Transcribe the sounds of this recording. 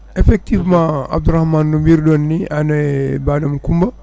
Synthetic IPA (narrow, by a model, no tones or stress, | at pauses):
ɛfɛk̚t̪ivmãa̰b̚d̪uɾahmannumiɾdɔnːiʔanɛbaːdamkumba